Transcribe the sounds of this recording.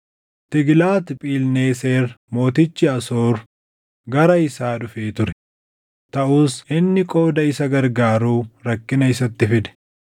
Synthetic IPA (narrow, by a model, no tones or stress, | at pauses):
t̪ɪɡlaːt̪pʼiːlneːse̞ːɾmo̞ːt̪ɪt͡ʃːɪɐso̞ːɾ | ɡɐɾɐɪsaːᶑʊfeːt̪ʊɾɛ | t̪ɐʔuːsʔɪnːɪkʼo̞ːd̪ɐɪsɐɡɐɾɡaːɾuːɾɐkːɪnɐɪs̬ɐt̪ːɪfɪd̪ɛ̥